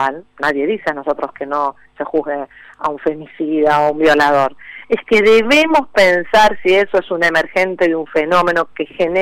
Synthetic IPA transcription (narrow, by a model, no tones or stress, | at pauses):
alnaðje̞ðiseano̞so̞t̪ɾoskeno̞ | sexuɦɣe | auɱfemisiðaoumbjo̞laðo̞ɾeskeðeβemo̞spensaɾsiesoesunemeɾxe̞nt̪e̞ðeuɱfeno̞mẽno̞kexene